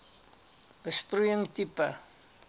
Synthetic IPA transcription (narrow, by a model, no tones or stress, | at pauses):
bəsprujəŋtipɐ